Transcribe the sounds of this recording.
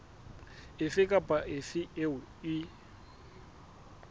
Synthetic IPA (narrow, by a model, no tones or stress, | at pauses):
ɪfɪkʼapʼaʔɪfɪeʊɪ